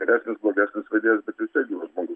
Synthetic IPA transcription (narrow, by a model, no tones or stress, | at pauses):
ɡʲɛɾʲæːsʲnʲɪsblˠoːɡʲæːsʲnʲɪsʋɐɪd̪ʲeːjɛsbʲɛt̪ʋʲɪsʲt̪ʲiɛɡʲiːʋɐʒmoːɡʊs